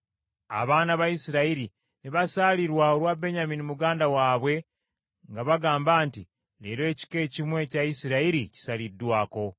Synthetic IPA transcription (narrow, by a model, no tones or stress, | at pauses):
a̰βaːnaβajisiɾaiɾi | neβasaliɾwao̞ɾwabe̞ɲaminimuɡaːndawaːβwe̞ | ŋɡaβaɡaːmbaːnti | leːɾoːci̥ke̞ːcimwe̞ːcajisiɾaiɾici̥salidːwaːko̞